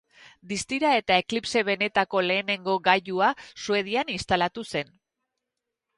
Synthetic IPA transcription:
d̪ist̪iɾae̞t̪ae̞klipse̞β̞e̞ne̞t̪ako̞le̞ːne̞ŋɡo̞ɡaʎuasue̞ð̞ianinst̪alat̪use̞n

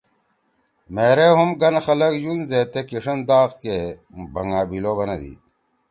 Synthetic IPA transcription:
meːɾeɦumɡɐnxɐlɐkjunzet̪ekiʂɐnd̪aːqke | bɐŋɡaːbiloːbɐnɐd̪ḭ

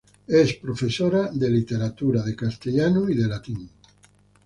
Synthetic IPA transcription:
ɛspɾofesoɾad̪elit̪eɾat̪uɾaðekast̪eʎanuiðelat̪iŋ

